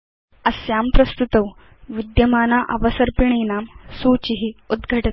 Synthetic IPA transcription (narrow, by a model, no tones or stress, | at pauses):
ɐsjaːmpɾɐst̪ut̪ɐw | ʋid̪jɐmaːnaːʔɐʋɐsɐɾpiɳ̃iːnaːmsuːt͡ɕiɦiud̪ɡʱɐʈɐt̪